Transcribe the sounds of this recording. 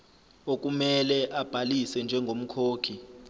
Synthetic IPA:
ok̬ʼumɛlɛʔab̥ʱalisɛnd͡ʒʱɛŋɡʱom̩kʰoːkʰi

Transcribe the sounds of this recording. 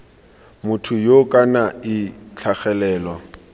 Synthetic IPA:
mʊtʰʊjokʼanaɪt͡ɬʰaχɛlɛːlwa

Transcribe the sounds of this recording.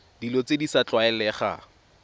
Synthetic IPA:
d̥ilot͡sedisat͡ɬʼwaɛlɛχa̰

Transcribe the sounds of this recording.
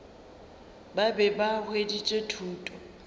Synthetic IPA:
babɛbahwedit͡ʃʼetʰuːtʼɔ

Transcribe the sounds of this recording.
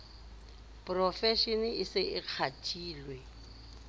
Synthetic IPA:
pʼrɔfɛʃinɪɪsɪʔɪq͡χʰatʰʼiːlwɛ

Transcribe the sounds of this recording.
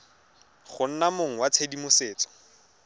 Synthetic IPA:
χʊn̩namoŋ̩wat͡sʰedimʊseːt͡sɔ̥

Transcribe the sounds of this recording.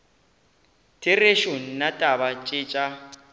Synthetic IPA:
tʰɪreʃon̩natʼaβat͡ʃʼɪːt͡ʃʼa

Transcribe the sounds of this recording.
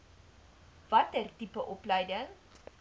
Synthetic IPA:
vɐtərtipəʔɔplɛjdəŋ

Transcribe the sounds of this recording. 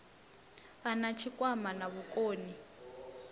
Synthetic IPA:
anat͡ʃʰikʼwamanaβukʼoːni

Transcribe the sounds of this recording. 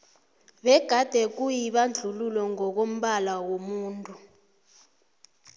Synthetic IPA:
ɓɛɡ̥ʱad̥ʱɛk̬ujiɓand͡ɮʱululwɔŋɔk̬om̩ɓalawomuːntʼu

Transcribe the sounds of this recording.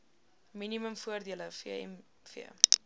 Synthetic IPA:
miniməmfuərdiələfiəɛ̰m | fḭə

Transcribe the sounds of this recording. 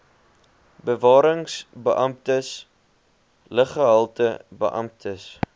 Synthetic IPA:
bəvɑːɾəŋsbəʔɐmtəs | ləχəɦɐlˠtəbə̰ʔɐ̰m̚tʰəs

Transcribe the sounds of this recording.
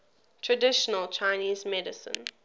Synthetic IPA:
tʰɹədɪʃənəlt͡ʃʰaɪniːzmɛdɪsə̰̃n

